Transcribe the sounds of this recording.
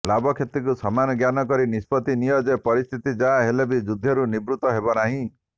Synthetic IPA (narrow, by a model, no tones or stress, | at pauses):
labɔkʰet̪ɾikusɔmanɔɡjanɔkɔɾinispɔt̪inijɔd͡ʒepɔɾist̪ʰit̪id͡ʒaːɦelebid͡ʒud̪ʱːɔɾunibɾut̪ɔɦebɔnaɦĩ